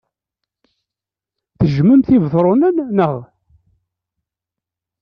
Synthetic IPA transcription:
θəʒməmθivðˤɾˤonənːəʁ

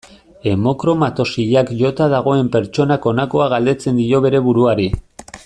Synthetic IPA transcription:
e̞mo̞kɾo̞mat̪o̞siʎakʝo̞t̪aðaɣ̞o̞e̞mpe̞ɾt͡ʃo̞nako̞nako̞aɣald̪e̞t͡se̞nd̪io̞βe̞ɾe̞βuɾuaɾi

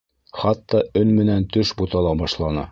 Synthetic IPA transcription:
χɑt̪ːɑɵnmɘ̆nænt̪ɵʃbut̪ɑlˠɑbɑʃlˠɑnɑ̰

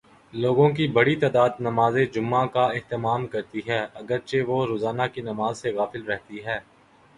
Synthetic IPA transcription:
loːɡõkibɐɽit̪aːd̪aːd̪nɐmaːzed͡ʒʊmːãkaɪɦt̪ɪmaːmkɐɾt̪iɦɛːɐɡəɾt͡ʃeʋoɾoːzaːnakinɐmaːzseɣaːfɪlɾɛɦt̪iɦɛː

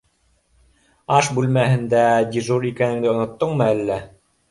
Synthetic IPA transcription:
ɑʃbʉlmæhɘ̆nd̪æd̪ʲiʒuɾikænɘ̆ŋd̪ɘŏnŏt̪ːoɴmɤælːæ

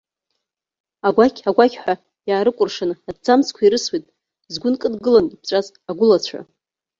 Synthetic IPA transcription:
aɡʷakʰʲʼaɡʷakʲħʷᶣa | jaːɾɨkʷʼʊrʂanadd͡zamskʷʰaiɾɨswijtʼ | zɡʷʊnkʼɨdɡɨlanip̚ʰt͡ɕʷʼazʼ | aɡʷʊlat͡ɕʷʰa̰

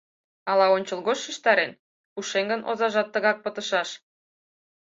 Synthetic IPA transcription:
ɑlɑonʲt͡ɕəlɣot͡ɕʃəʃt̪ɑɾen | puʃeŋɡənʔo̰zɑʒɑt̪ːə̆ɣɑk̚pət̪ə̆ʃɑʃ

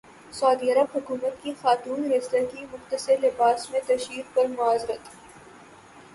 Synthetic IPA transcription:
saːd̪iːɐɾəbɦʊkuːmət̪kixaːt̪uːnɾɛːslekimʊxt̪əseɾlɪbaːsmẽt̪ɐʃɾiːɾpɐɾmʊaːzɾət̪

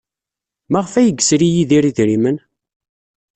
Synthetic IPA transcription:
mæʁfæjəɡsɾijiðiɾiðɾimən

